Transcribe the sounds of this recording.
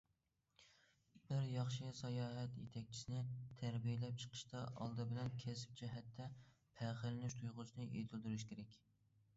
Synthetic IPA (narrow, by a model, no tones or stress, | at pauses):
bɪɾjɑχʃɨsɛjɑːɦɛt̪jet̪ʰɛk̚ʲt͡ʃʰi̥sɪnɪt̪ʰæɾbijɪlɛp̚t͡ʃʰə̥qʰə̥ʃt̪ɑʔɑ̰lˠd̪ɨbɪlɛnkʲʰɛsɪ̥p̚t͡ʃʰɛɦɛt̪ʰːɛ | pʰæχɪlɪnɪʃt̪ʰujʁʊsɨnɨʔet̪ʰɪlˠd̪uɾuʃkʲʰeɾɛkʲ